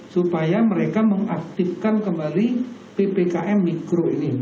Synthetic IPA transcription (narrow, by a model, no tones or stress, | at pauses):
supajaməɾekaməŋak̚t̪ifkankəmbalipepekaʔɛmːikɾoini